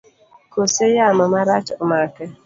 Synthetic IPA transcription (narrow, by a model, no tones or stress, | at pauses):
kosejamɔmaɾat͡ʃmakɛ